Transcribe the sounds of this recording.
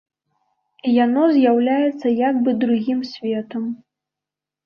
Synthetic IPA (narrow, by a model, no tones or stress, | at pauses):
janɔzʲjawlʲajɛt̪sːɐjaɡ̚bɨd̪ɾuɣʲimsʲvʲɛt̪ɐm